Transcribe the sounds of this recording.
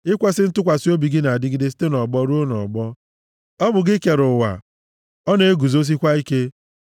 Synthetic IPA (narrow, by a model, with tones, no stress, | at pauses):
ɪ˦kʷe˦sɪ˦n̩˦tʊ˦kʷa˨sɪ˦o˦bi˨ɡɪ˦na˨a˨dɪ˦ɡɪ˦dɪ˦si̥˦te˦nɔ˨ɡ͡bɔ˦ɾu˦o˦nɔ̰˨ɡ͡bɔ˦ | ɔ˦bʊ˨ɡɪ˦ke˨ɾʊ˨wa̰˨ | ɔ˦ne˦e˦ɡu˨zo˦s̬i˦kʷa˦i˦ke˦